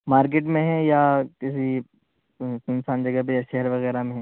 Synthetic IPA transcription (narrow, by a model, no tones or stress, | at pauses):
maːɾk̬eːʈmẽɦɛ̃jakɪs̬i | ɪnsaːnd͡ʒɐɡəɦp̬ejaʃɛɦəɾʋɐɣɛːɾamẽɦɛ̃ː